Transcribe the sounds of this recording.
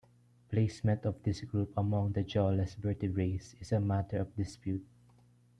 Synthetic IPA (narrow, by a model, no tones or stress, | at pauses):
pleɪsmɛ̃nt̪ɔvd̪ɪsɡɹupɐmɔ̃ŋd̪ɐd͡ʒɔlɛsbɛɹt̪ɪɹeɪsɪsɐmat̪əɹɔfd̪ɪspjut̪̚